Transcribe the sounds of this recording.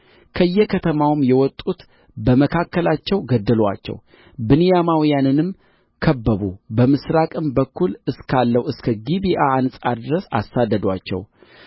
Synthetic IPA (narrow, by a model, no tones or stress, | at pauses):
kʰəɨjːɛkʰət̪ʰəmawɨmjɛwɔt̪ʼːut̪ | bəməkʰakːəlat͡ʃːɛwɡəd̪ːəlwa̰t͡ʃːɛ̰w | bɨnɨjamawijanɨnɨm | kʰəbːəβṵbəmɨsɾakʼɨmbəkːulɨskʰalːəwɨskʰəɡibiʔaːnsʼad̪ɾəsa̰sːad̪ːəd̪wa̰t͡ʃːɛ̰w